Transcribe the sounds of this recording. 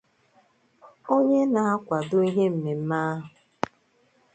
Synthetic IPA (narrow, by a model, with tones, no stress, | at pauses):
o˦ɲe˦na˨a˦kʷa˨do˦i˦ɦe˦m̩˨me˨m̩˦ma˦ɦʊ˨